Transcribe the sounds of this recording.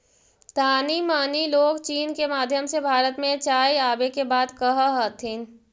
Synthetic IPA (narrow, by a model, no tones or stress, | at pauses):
t̪aːnimaːniloːɡt͡ʃiːnkemaːd̪ʱjəmsebʱaːɾət̪mẽt͡ʃaːiaːbekebaːd̪kɐɦaɦət̪ʰɪn